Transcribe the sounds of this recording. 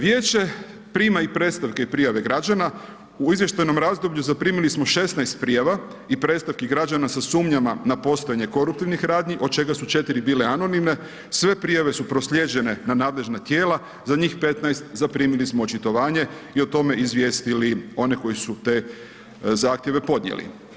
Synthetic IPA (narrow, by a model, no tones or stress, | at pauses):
ʋjeːt͡ɕe̞ | pɾiːmaipɾe̞t̪st̪aʋkeipɾijaʋe̞ɡɾad͡ʒana | uizʋje̞ʃt̪ajno̞mɾazd̪o̞bʎuzapɾiːmilismo̞ʃe̞snajst̪̚pɾijaʋa | ipɾe̞t̪st̪aʋkiɡɾad͡ʒanasasuːmɲamanapo̞st̪ojaɲe̞ko̞ɾup̚t̪iʋnixɾaːd̪ɲiʔo̞d̪̚t͡ʃe̞ɡasut͡ʃe̞t̪iɾibiːleano̞nimne̞ | sʋe̞pɾijaʋe̞supɾosʎʲe̞d͡ʑe̞ne̞nanaːd̪le̞ʒnat̪je̞ːla | zaɲiːxpe̞t̪najst̪zapɾiːmilismoot͡ʃit̪o̞ʋaːɲe̞io̞t̪o̞me̞izʋje̞ːst̪ilio̞ne̞ko̞jisut̪e̞ | zaːxt̪je̞ʋe̞po̞d̪nɲjḛlḭ